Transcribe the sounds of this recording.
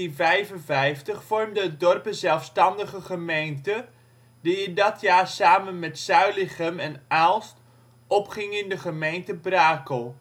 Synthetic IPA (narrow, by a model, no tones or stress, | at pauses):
invɛjvənvɛjftəχfɔrmdəət̚dɔrpəzɛlˠfstɑndəχəχəmejntə | diɪndɑtjaːrsaːmənmɛtsœɥlɪχəmɛnalˠst | ʔɔpχɪŋɪndəχəmejntəbraːkəlˠ